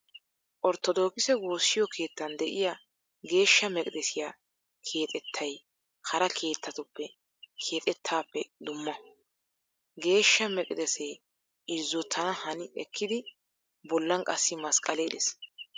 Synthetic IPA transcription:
ʔɔɾt̪ɔd̪oːkɪsɛɡo̞ːsːɪjɔkʰe̞ːt̪ːɐnd̪ɛʔɪja | ɡe̞ːʃːɐmɛkʼɪd̪ɛsɪjaː | kʰe̞ːt̪ʼɛt̪ʰːɐj | hɐɾɐkʰe̞ːt̪ːɐt̪ʊpːɛ | kʰe̞ːt̪ʼɛt̪ʰːaːpːɛd̪ʊmːɐ | ɡe̞ːʃːɐmɛkʼɪd̪ɛseː | ɪzːʊt̪ʰːɐnɐhɐnɪɛkːɪd̪ɪ | bɔlːɐŋkʼɐsːɪmɐskʼɐleːd̪ɛs

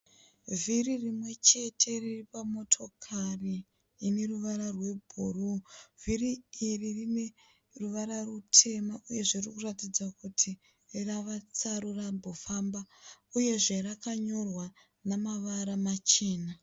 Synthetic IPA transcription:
viririmwe̞t͡ʃe̞tʰe̞riripamo̞tʰo̞kʰariː | ne̞ruʋaɾarwe̞bʱuruviriːririne̞ | ruʋaɾarutʰe̞maʔuje̞ʐerikuratid͡zakutʰi | raʋat͡saɾurambo̞fambauje̞ʐe̞rakaɲo̞rwa | namaʋaɾamat͡ʃeːna

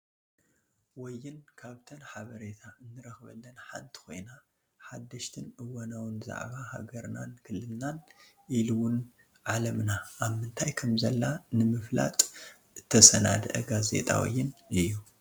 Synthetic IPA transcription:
wɔjːɪnkʰaβt̪ʰɐnħaβɐɾet̪ʰaɨnːɨɾɐxβɐ̰lːɐnħa̰nt̪ʰi̥ko̞̰jna | ħad̪ːɐʃt̪ʰɨnʔɨwɐnɐwnza̰ʕβaha̰ɡɐɾna̰nkʰɨlːɨlnan | ʔiluwʊn | ʕalɐmnaʔːβmɨnt̪ʰajkʰɐmzɐlːanɨmɨfla̰t̪ʼ | ɨt̪ʰːɐsɐna̰d̪ʔɐɡazḛt̪ʼʰa̰wḭjːɪnɨjːu

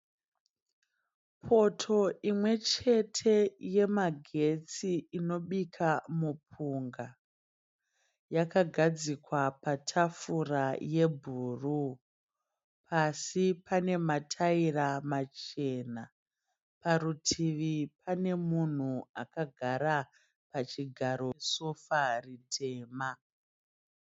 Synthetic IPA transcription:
pʰo̞tʰo̞imwe̞t͡ʃe̞tʰe̞je̞maɡʱe̞t͡siino̞ɓikʰamup̚ʰuŋɡa | jakaɡʱad͡zikwapatʰafuraje̞bʱuːru | pʰasipane̞matʰairamat͡ʃe̞na | paɾutʰiʋipane̞mun̤uakaɡʱaɾa | pat͡ʃiɡʱaɾo̞sofaritʰe̞ːma

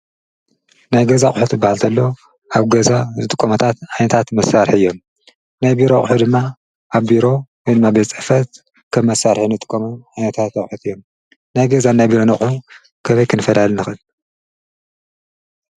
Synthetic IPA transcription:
najɡɐzaχʼħut̪ɨbːahalt̪ʰɐlːo | ʔaβɡɐzazɨt̪ʼɨkʼːomɐt̪ʰat̪ʕajnɐt̪ʰat̪mɐsaɾħiɨjːo̞m | najbiɾoχʼħud̪ɨmːa | ʔaβbiɾo̞wɔjd̪ɨmːabet͡sʼɨfɐt̪̚ | kʰɐmːɐsaɾħinɨt̪ʼɨ̥kʼːomɐnʕajnɐt̪ʰat̪ɐχʼħut̪ɨjːo̞m | najɡɐzanajbiɾo̞nɐχʼħu | kʰɐβɐjkʰɨnɨfɐlalnɨxɨl

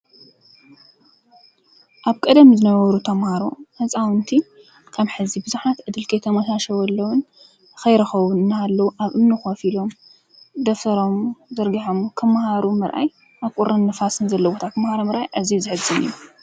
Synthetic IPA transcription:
ʔaβkʼɐd̪ɐmzɨnɐwɐɾut̪ʰɐmhaɾoħɨt͡sʼawɨnt̪ʰi | kʰɐmħɨzibɨzuħat̪ʕɨd̪ɨlkʰɐjt̪ʰɐmɐsaʃɐwɐlːɐwʊn | xɐjɾɐxɐwunɨnːaːlːɐwuʔaβʔɨmnɨxofilo̞m | d̪ɐft̪ɐɾo̞mzɐɾɡiħomkʰɐmahaɾumɨɾʔa̰j | ʔaβkʼuɾʔɐnːɨfasɨnzɐlːɐbot̪ʰat̪ʰɐmhaɾomɨɾʔajʔazizɨħɨzɨnɨ̰jːu

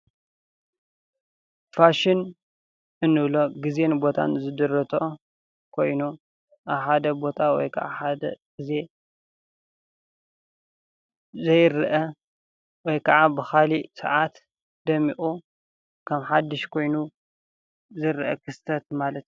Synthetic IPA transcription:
faʃɪn | ʔɨnːɨβlo̞ɡize̞nbo̞t̪ʰa̰nzɨd̪ɨɾɐt̪ʰo | kʰo̞jnu | ʔaβħad̪ɐbo̞t̪ʰawɔ̰jkʰɐʕa̰ħad̪ɐ̰ɡ̥ize̞ | zɐjɾʔɐ | wɔjkʰɐʕabɨxalisɐ̰ʕat̪ | d̪ɐmiʔʼu | kʰɐmħad̪ːɨʃkʰo̞jnu | zɨɾʔɐ̰kʰɨst̪ʰɐt̪̚malɐt̪

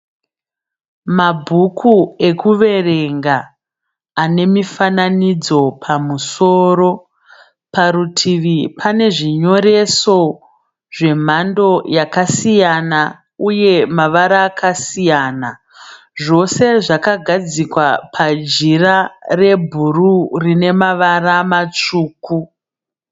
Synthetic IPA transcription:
mabʱukʰue̞kuʋe̞re̞ŋɡaː | ne̞mifananid͡zo̞pʰamuso̞ːɾo̞ | paɾutʰiʋipʰane̞ʐiɲo̞ɾe̞so̞ | ʐe̞m̤ando̞jakasijana | uje̞maʋaɾaːkʰasijaːna | ʐo̞se̞ʐakaɡʱad͡zikwapʰad͡ʒirare̞bʱururine̞maʋaramat͡ʂuːku

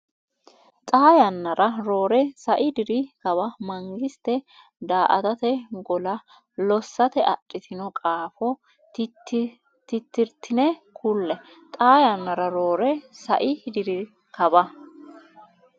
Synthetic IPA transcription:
t̪ʼaːjɐnːɐɾɐɾo̞ːɾɛsɐʔɪd̪ɪɾɪkɐbɐmɐŋɡɪst̪ɛ | d̪aːʔɐ̰t̪ɐt̪ɛɡɔlɐ | lɔsːɐt̪ɛʔɐtʼːɪt̪ʰɪnɔkʼaːfɔ | t̪ɪt̪ːɪɾt̪ʰːɪnɛkʰʊlːɛ | t̪ʼaːjɐnːɐɾɐɾo̞ːɾɛsɐ̰ʔɪd̪ɪɾɪ | kʰɐbɐ

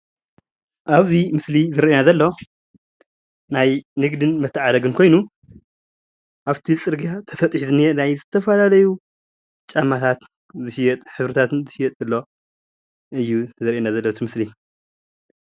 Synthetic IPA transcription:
ʔaβzimɨslizɨɾʔenazɐlːo̞ | najnɨɡd̪ɨnmɐt̪ʰːɨʕad̪ɐɡɨnkʰo̞jnu | ʔaβt̪ʰit͡sʼɨɾɡijat̪ʰɐsɐt̪ʼħt̪nenajzɨt̪ʰɐfɐlalɐju | t͡ʃʼamːat̪ʰat̪ | zɨʃijɛt̪ʼħɨβɾɨt̪ʰat̪nzɨʃijɛt̪ʼzɨlːo̞ | ʔɨjːuzɨɾʔenazɐlːot̪ʰimɨsli

